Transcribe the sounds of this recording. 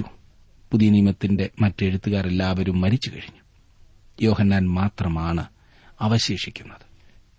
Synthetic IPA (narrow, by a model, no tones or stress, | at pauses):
u | puðijɐniːmɐt̪ːinde̞mɐtːe̞ɻut̪ːuɣaːre̞lːaːʋɐɾumːɐɾit͡ɕːukɐɻiɲːu | jo̞ːhɐnːaːnmaːt̪rɐmaːɳɨ | ɐʋɐɕeːʂikʲːunːɐðɨ̥